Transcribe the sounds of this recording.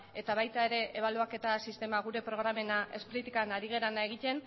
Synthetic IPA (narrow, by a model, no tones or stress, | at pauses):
e̞t̪aβajt̪ae̞ɾe̞ʔeβaluake̞t̪asist̪e̞maɣ̞uɾe̞pɾo̞ɣ̞ɾame̞naʔe̞spɾit̪ikanaɾiɣ̞e̞ɾanaeɣ̞it̪e̞n